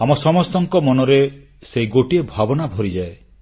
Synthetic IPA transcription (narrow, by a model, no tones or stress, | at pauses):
amɔsɔmɔst̪ɔŋkɔmɔnɔɾe | seiɡoʈiebʱabɔnabʱɔɾid͡ʒae